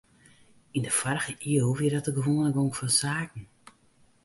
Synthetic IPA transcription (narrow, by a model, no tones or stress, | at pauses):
indəfarɣəʔiəlˠʋiədɔtəɡəʋoːnləɡoŋkfɔnsaːkn̩